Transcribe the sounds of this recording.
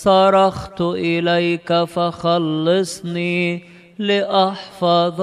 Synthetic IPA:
sɑɾɑxt̪ʊʔɪlajkafaxalːɪsˤniː | lɪʔaħfɑðˤ

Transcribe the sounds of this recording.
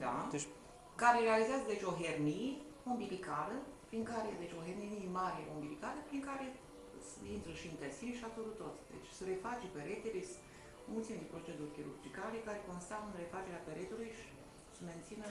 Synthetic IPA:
d̪a | kaɾeɾealizeazəd̪e̞t͡ʃʲo̞ɦernie | ombilikaɾəpɾiŋkaɾed̪e̞t͡ʃʲo̞ɦerniniemaɾʲemombilikaɾəpɾiŋkaɾe̞ | sint̪ɾəʃiɨnt̪esinʃiat̪oɾut̪ːot̪sʲd̪ḛt͡ʃʲsəɾe̞fat͡ʃepeɾet̪eles | mult̪sient̪ipɾo̞t͡ʃe̞d̪urʲkʲiɾṵrd͡ʒikalekaɾe̞ko̞nst̪aɨnre̞fat͡ʃe̞ɾeapeɾet̪ulujʃi̥ | səme̞nt̪sinə

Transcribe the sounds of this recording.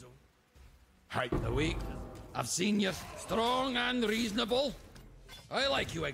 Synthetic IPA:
haɪʔ̚ðə̰wikʔaɪv̥sĩnjə˞stɹ̥ɔ̃ŋə̃nɹiznəbəl̩ˠ | ʔaɪlˠaɪkjəə

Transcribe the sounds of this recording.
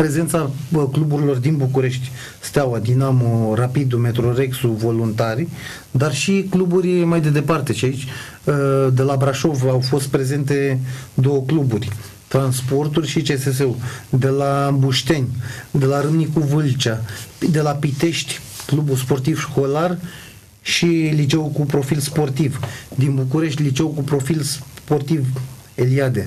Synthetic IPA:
pɾe̞ze̞nt̪saklubuɾilo̞rd̪inbukuɾe̞ʃt̪ʲ | st̪eawad̪inamoɾapid̪ume̞t̪ɾo̞ɾeksuvo̞lunt̪aɾi | d̪arʃiklubuɾʲimajd̪e̞d̪e̞part̪e̞ʃiait͡ʃʲ | d̪e̞labɾaʃo̞vawfo̞st̪̚pɾe̞ze̞nt̪̬e̞d̪o̞wəkluburʲ | t̪ɾanspo̞rt̪urʲʃit͡ʃe̞ses̬eud̪e̞labuʃt̪e̞nʲd̪e̞laɾɨmnikuvɨlt͡ʃad̪e̞lapit̪e̞ʃt̪ʲklubuspo̞rt̪ivʃko̞lar | ʃilit͡ʃe̞wukupɾo̞filspo̞rt̪ivd̪inbukuɾe̞ʃt̪ʲlit͡ʃe̞wukupɾo̞filspo̞rt̪iveliad̪e̞

